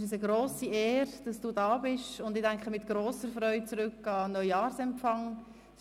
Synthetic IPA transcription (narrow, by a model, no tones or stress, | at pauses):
əs̬əɡɾoːsiɛːɾd̥ɑsd̥uːdɑːbɪʃʊndɪdæŋkχəmɪtɡ̥ɾoːsəɾfɾœʏt͡suɾʏkːɑnœʏɑːɾsɛmfɑŋ